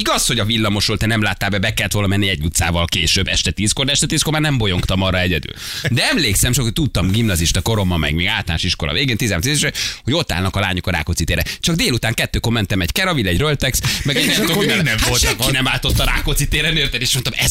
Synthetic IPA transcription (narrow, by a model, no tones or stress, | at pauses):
iɡɒsho̞ɟɒvilːɒmoʃʋolt̪ɛnɛmlaːt̪ːaːbɛbɛkɛlːɛt̪o̞lnɒmɛnːiɛɟːut̪sa̰ːvɒlkeːʃøbːɛʃt̪ɛt̪iːskord̪ɛʃt̪ɛt̪iːskormaːrnɛmbo̞jo̞ŋkt̪ɒmɒrɒɛɟɛd̪y̰ld̪ɛɛmleːksɛmt͡ʃokot̪ut̪ːɒmɡimnɒziʃt̪ɒko̞ɾo̞mɒmɛ̰ɡmɛɡaːlt̪la̰nʃiʃkolɒ̰veːɡeːnt̪izaːmnt̪izeʃɛho̞ɟo̞t̪ːa̰lnɒkɒla̰ːɲokɒɾa̰ːkot̪sit̪eːɾɛt͡ʃɒɡd̪eːlut̪aːŋkɛt̪ːøːko̞rmɛnt̪ɛmɛɟkɛɾɒvilːɛɟrølt̪ɛksmɛɡɛeonɛolt̪inɛmaːt̪o̞t̪ːɒɾa̰ːkot̪sit̪eːɾɛnøːt̪ɛleːʃmont̪ɒmɛz